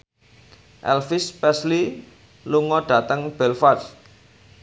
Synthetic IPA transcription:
ʔɛ̰lfɪspɛsli | luŋɔɖ̥ä̤t̪əŋb̥ɛlfas

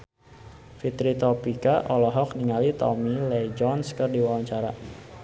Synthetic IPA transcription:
fit̪ɾit̪ɔpikaʔɔlɔɦɔk̚niŋalit̪ɔ̰milɛd͡ʒɔnskərdiwawaɲt͡ʃaɾa

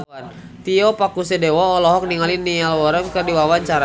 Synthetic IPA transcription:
an | t̪iɔpakusɛdɛwɔːlɔɦɔk̚niŋalinialwɔɾəŋkərdiwawaɲt͡ʃaɾa

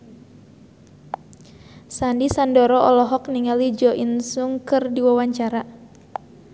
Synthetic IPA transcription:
sandisandɔɾɔʔɔlɔɦɔkniŋalid͡ʒɔʔinsuŋkɨrdiwawaɲt͡ʃaɾa

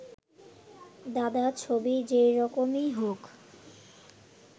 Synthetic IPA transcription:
d̪ad̪at͡ɕʰobid͡ʑeɾɔkomiɦok

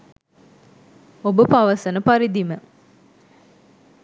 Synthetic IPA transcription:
obəpaʋɐsɐnəpaɾid̪imə

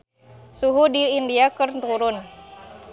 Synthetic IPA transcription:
suɦudiːndiakərt̪uɾʊn

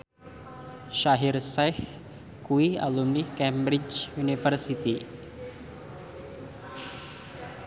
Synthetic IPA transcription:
ʃaɦirsah | kuia̰lumnihkɛmbɾid͡ʒunifərsit̪i

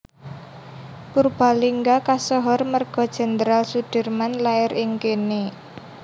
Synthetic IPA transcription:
purb̥a̤liŋɡakasɔɦɔrmərɡ̥ɔ̤d̥ʒ̥ɛ̤nd̪əɾalsud̥i̤rmanlaɪɾʔɪŋkene

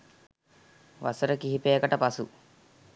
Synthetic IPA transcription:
ʋɐ̰səɾəkiɦipeːkəʈəpɐsu

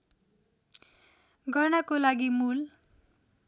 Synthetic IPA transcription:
ɡʌnakolaɡimul

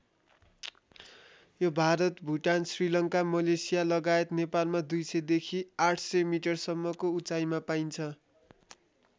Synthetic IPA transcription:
jobʱaɾʌt̪bʱuʈansrilʌŋkamʌlesijalʌɡaet̪nepalmad̪ujsʌjd̪ekʰiaʈʰsʌjmiʈʌrsʌmːʌkout͡sajmapaint͡sʰʌ

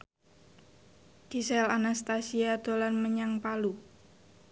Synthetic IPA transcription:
d̪̥isɛlanast̪asiad̪̥olanməɲaŋpalu

